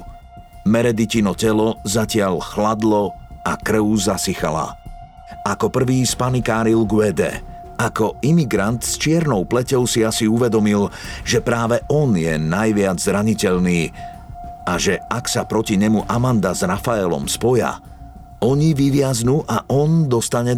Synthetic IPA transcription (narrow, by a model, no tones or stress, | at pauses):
mɛɾɛd̪icinɔcɛlɔzacɪaʎxlad̪lɔakɾ̩ʊzasixa̰la̰ | akɔpr̩ʋiːspanikaːɾilɡʊwɛd̪ɛ̰ | akɔimiɡɾant̪st͡ʃɪɛɾnɔʊplɛcɔʊsiasiuʋɛd̪ɔmilʒɛpɾaːʋɛʔɔnjɛ̰najʋɪad͡zzɾaɲicɛʎniː | aʒɛaksapɾɔciɲɛmuʔamand̪azɾafaɛlɔ̰mspɔja̰ | ɔɲiʋiʋɪaznuːʔaʔɔnd̪ɔst̪aɲɛ